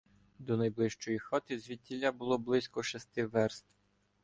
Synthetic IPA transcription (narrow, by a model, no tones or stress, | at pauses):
d̪ɔnɐjblˠɪʃt͡ʃɔjixɔt̪ɪzʲʋʲitʲːilʲabʊlˠɔblˠɪsʲkɔʃɛst̪ɪʋɛrst̪w